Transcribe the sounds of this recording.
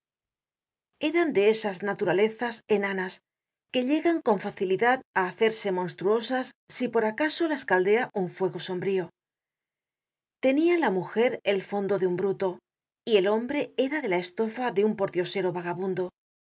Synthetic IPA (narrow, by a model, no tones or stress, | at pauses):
e̞ɾand̪e̞esaznat̪uɾale̞θase̞nanas | ke̞ʎe̞ɣaŋko̞ɱfaθiliðaðaːθe̞ɾse̞mo̞nst̪ɾuo̞sasːipo̞ɾakaso̞laeskald̪e̞aʔuɱfwe̞ɣo̞so̞mbɾio̞ | t̪e̞nialamuxe̞ɾe̞lfo̞nd̪o̞ðeumbɾut̪o̞ | ie̞lo̞mbɾe̞e̞ɾaðe̞lae̞st̪o̞faðe̞umpo̞ɾt̪jo̞se̞ɾo̞βaɣaβund̪o̞